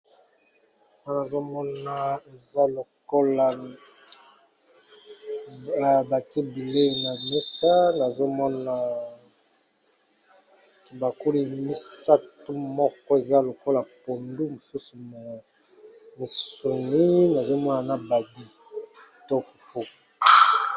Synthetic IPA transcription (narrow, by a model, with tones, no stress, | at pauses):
ma˦na˨zo˦mɔ˦na˨e˨za˦lo˨ko˦la˨ | ba˨te˦bi˨le˦˨na˨me˦sa˦na˨zo˦mɔ˦na˨ | ki˨ba˨ku˦li˨mi˦sa˦tu˦mɔ˦kɔ˦e˨za˦lo˨ko˦la˨po˨ndu˦mo˨su˦su˨m˨ | mi˨so˨ni˦na˨zo˦mɔ˦na˨na˨ba˨di˦ | to˦fu̥˨fu˦